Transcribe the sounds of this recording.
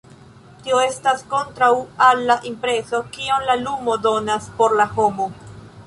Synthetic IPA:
tio̞e̞stasko̞ntɾawalːaʔimpɾe̞so̞kio̞nlalumo̞do̞naspo̞ɾlaho̞mo̞

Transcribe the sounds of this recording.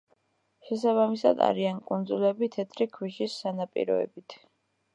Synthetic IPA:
ʃɛsaβamisa̰d̪a̰ɾiankʼund̪zulɛbit̪ʰɛt̪ʰɾikʰwiʃisːanapʼḭɾɔ̰ɛ̰bit̪ʰ

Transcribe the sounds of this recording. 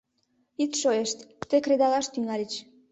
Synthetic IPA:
it̪ʃoeʃt̪kt̪ekred̪ɑlɑʃt̪yŋɑlʲit͡ɕ

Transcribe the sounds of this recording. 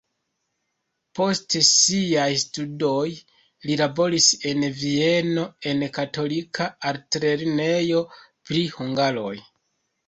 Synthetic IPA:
po̞stesiajstudo̞j | lilabo̞ɾise̞nvie̞no̞e̞nkato̞likʰaːɾtɾe̞ɾne̞jo̞ | pɾihuŋɡaɾo̞j

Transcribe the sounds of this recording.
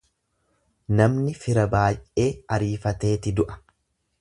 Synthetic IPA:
nɐmnɪfɪɾɐbaːjʔe̞ːɐɾiːfɐt̪e̞ːt̪ɪd̪ʊʔɐ̥

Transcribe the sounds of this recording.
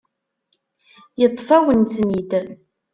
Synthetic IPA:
jət̪ˤːfæwənθnid̪

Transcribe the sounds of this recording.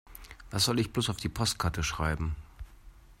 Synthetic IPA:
v̥asz̥ɔlɪçb̥loːsaʊfd̥iːpʰɔst̚kʰaɐtʰəʃʁ̥aɪbm̩

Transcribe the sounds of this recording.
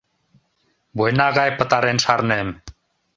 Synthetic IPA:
bujnaːɣajpət̪aɾenʃaɾnem

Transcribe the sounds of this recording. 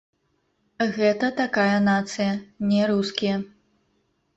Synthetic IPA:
ɣɛt̪ɐt̪akajɐnat̪sɨjɐnʲɛɾuskʲijɐ

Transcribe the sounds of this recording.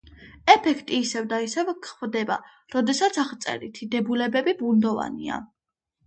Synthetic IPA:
ɛpʰɛkʰt̪ʼiːsɛvd̪aisɛvkʰχvd̪ɛba̰ | ɾɔd̪ɛsat̪sʰaχt̪sʼɛ̰ɾit̪ʰid̪ɛbulɛbɛbibund̪ɔva̰nḭa̰

